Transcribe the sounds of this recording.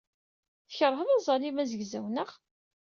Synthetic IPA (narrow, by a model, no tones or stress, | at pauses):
θəçəɾˤɦəðɑzˤɑlimæzəɡzæwnəʁ